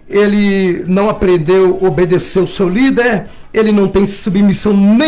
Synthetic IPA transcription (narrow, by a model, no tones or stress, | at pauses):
elɪnɐ̃w̃apɾẽnd̪ewobed̪esewʊsewlid̪eɾ | elɪnɐ̃w̃t̪ẽj̃submisɐ̃w̃nẽ